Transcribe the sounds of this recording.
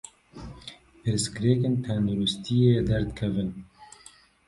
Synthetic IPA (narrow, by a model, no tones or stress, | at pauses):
pʰɨɾskɾeːkent̪ʰɛnd̪uɾust̪ʰijeːd̪ɛɾd̪kʰɛvɨn